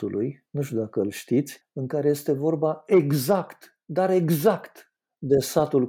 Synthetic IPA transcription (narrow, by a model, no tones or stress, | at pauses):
ulʔujnuʃt̪ʲud̪akəɨlʃt̪it̪sʲ | ɨŋkaɾeje̞st̪e̞vo̞rbae̞ɡzakt̪ | d̪aɾe̞ɡzakt̪ | d̪e̞sat̪ul